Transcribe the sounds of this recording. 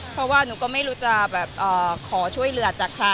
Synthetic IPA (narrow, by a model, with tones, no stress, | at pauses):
pʰɾɔ˧˥waː˥˩nuː˩˦kɔː˥˩ma˥˩jɾuː˦˥t͡ɕa˧˩bɛː˨˩p̚ʔɤː˨˩kʰɔː˩˦t͡ɕʰu˥˩əjlɯ˧˥˩ɐt͡ɕaː˨˩kʰla˧˥